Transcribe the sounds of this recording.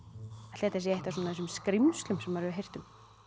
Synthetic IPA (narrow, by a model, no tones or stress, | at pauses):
t̪ɛːt̪as̬jɛeht̪asɔːnaðɛs̬ʏmskɾimst̪lʏmsɛmvaɾɪvʏɦejr̥t̪ʏm